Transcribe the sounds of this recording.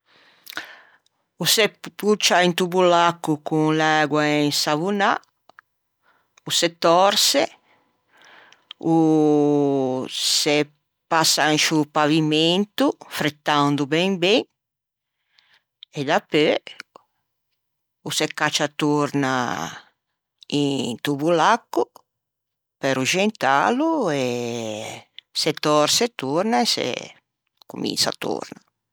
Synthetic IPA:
usɛput͡ʃːaint̪ubulakːukuŋlɛɡwaensavuna | usɛt̪ːɔɾse | u | sɛ | pasːaʃupavimɛnt̪ufɾet̪ːand̪ubɛŋbɛŋ | ɛd̪apːø | usɛkːat͡ʃat̪uɾna̰ | int̪uβulakːu | pɛɾud͡ʒɛnt̪a̰luɛ | sɛt̪ɔɾsɛt̪uɾnaɛsɛ̰ | kumḭnsa̰t̪ṵɾna

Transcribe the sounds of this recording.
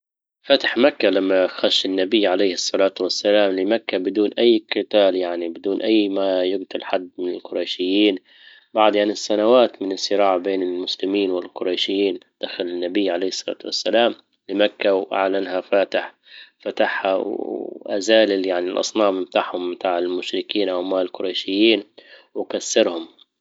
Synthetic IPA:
fat̪ɪ̥ħmakːalamːaxaʃɪnːabɪjːʕalejhɨsˤːɑlaːt̪wasːalaːmlɪmakːabɪd̪uːnʔajːkɨt̪aːljaʕnibɪd̪uːnʔajːmajʊɡt̪ʊlħad̪ːmɪnɪlqʊɾˤɑjʃɪjːiːn | baʕd̪ʕanɪsːanawaːt̪mɪnɪsːɪɾɑːʕbeːnɪlmʊslɪmiːnwɪlqʊɾˤɑjʃɪjːiːnd̪̥axalɪnːabɪjːʕalejːhsˤːɑlɑ̰ːt̪wa̰sːalaːm | lɪmakːawʔa̰ʕlanɦafaːt̪ɪħ | fat̪aħha̰wʔa̰zaːlɪjaʕnɪlʔɑ̰sˤnɑːmɪmt̪aːʕhʊmːt̪aːʕɪlmʊʃɾɪkiːnʔawmaːɪlqʊɾˤɑjʃɪjːiːnwɪkasːɪɾhʊm

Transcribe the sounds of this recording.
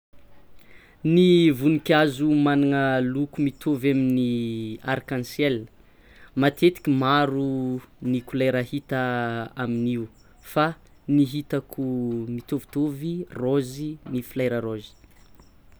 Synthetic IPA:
nivunikʲazumanaŋəlukumit̪ʰovaminiaɾkãnsjɛl | mat̪ʰet̪i̥kʲimaɾunikulajɾəhit̪aaminiu | fa | niɦit̪akʰumit̪ovi̥t̪ovirozinifilajɾəɾozi̥

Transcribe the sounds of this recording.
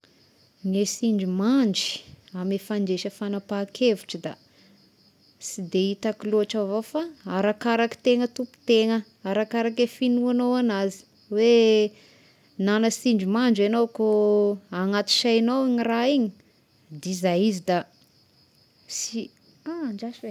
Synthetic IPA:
ŋesiɳd͡ʒimaɳd͡ʒi̥amefaɳd͡ʒeʃəfanapakʰevuʈ͡ʂəd̪a | sid̪eit̪akiluaʈ͡ʂavofaaɾakaɾaki̥t̪eŋət̪upu̥t̪eŋə | aɾakaɾak̬efinuanowanazi̥ | we | nanəsiɳd͡ʒimaɳd͡ʒanowkoaŋat̪i̥ʃajnowiɲiraiɲi | d̪izajizid̪a | si | aɳd͡ʒaʃwe

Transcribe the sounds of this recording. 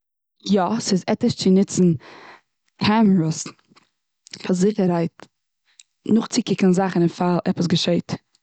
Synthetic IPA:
jɔsɪzɛtəʃt͡sɪnɪt͡sn̩ | kʰɛməɹəs | fazɪχəɾaɪt | nʊχt͡sɪkɪkn̩zaχənɪnfalˠʔɛpəs̬ɡəʃeɪt

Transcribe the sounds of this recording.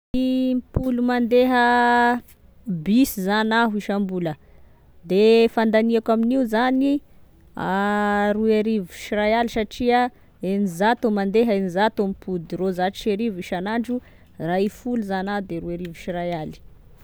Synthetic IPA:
ipulumand̪eɦə | bisizanaɦuiʃambulə | d̪efand̪aniakaminiuzani | aɾueɾivi̥ʃiɾajalisaʈ͡ʂiə | enizat̪omand̪eɦəenizat̪omipud̪irozaʈ͡ʂʃeɾiviʃanaɳɖ͡ʐu | raifuluzanad̪eɾuaɾivi̥ʃirajali̥

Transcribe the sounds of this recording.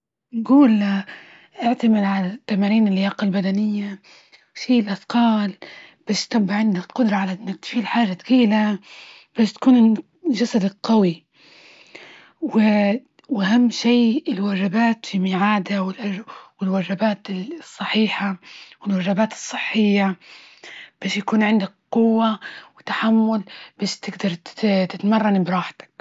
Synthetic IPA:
nɡuːl | ʔɪʕt̪amɪd̪ʕalat̪ːamaːɾiːnɪlːɪjaːqalbad̪anɪjːa | ʃiːlʔaθqɑːlb̥aːʃt̪abːaʕɪnd̪aqʊd̪ɾˤɑʕalaʔɪnːak̚t̪fiːlħaːʒat̪kiːla | b̥aːʃt̪ḁkuːnɪ | ʒasad̪qawi | wɪ | wʔaɦamːʃiːɪlwaʒɪbaːt̪fimɪʕaːd̪awɪlʔaʒwɪlwaʒabaːt̪ɪsˤːɑħiːħawɪlwaʒabaːt̪ɨ̥sˤːɨħːɪjːa | b̥aːʃjakuːnʕɪnd̪akqʊwːawɪt̪ːaħamːʊlb̥aʃt̪ɪɡd̪ɑɾˤt̪ɪt̪mɑrˤːɑnbɪɾˤɑːħt̪ḁk̚

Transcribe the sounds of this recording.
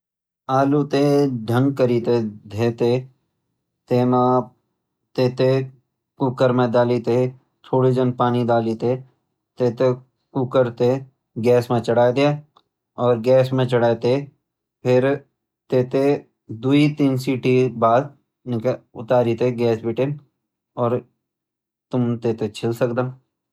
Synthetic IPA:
aːlut̪eɖʱə̃ŋɡ̚kəɾiːt̪ed̪ʱeːt̪e | t̪eːmã | t̪eːt̪e | kʊkəɾmẽd̪aːliːt̪e | t͡ʃʰoːɽid͡ʒə̃npaːnid̪aːliːt̪e | t̪eːt̪e | kʊkəɾt̪e | ɡɛːsmẽt͡ʃəɽaːd̪ea | ɔːɾɡɛːsmẽt͡ʃəɽaːet̪e | pʰɪɾ | t̪eːt̪e | d̪uit̪iːnsiːʈibaːd̪̚ | nɪkʊ̰t̪aːɾit̪eɡɛːsbɪʈẽn | ɔːɾ | t̪ʊmt̪eːt̪et͡ʃʰɪlsəkd̪a

